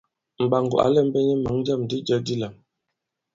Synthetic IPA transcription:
m̩˨ba˨ŋɡɔ̰˨ʔa̰˨˦lɛ˦˨m̩˦bɛ˦ɲɛ˦ma˨˦ŋd͡ʒa˦˨mdi˦d͡ʒə˦di˦la˨m

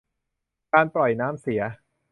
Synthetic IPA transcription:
kaː˧npɾɔ˨˩jnaː˦˥msi˩˦ɐ

